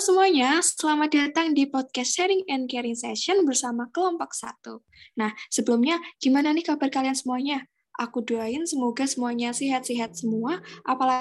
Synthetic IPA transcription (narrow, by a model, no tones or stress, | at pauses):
səmuaɲasəlamadat̪aŋdipɔd̚kɛsʃɛɾɪŋɛnkɛɾɪŋsɛʃɔnbərsamakəlɔmpɔk̚sa̰t̪u | nahsəbəlʊmɲaɡ̥imananihkabarkaliansəmuaɲa | ʔa̰kuduaɪnsəmoɡasəmuaɲasiɦat̪̚siɦat̪̚səmuaʔapala